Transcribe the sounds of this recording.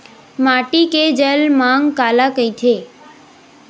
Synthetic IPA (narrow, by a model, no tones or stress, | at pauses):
maʈiked͡ʒəlmaŋɡkalakəjt̪ʰe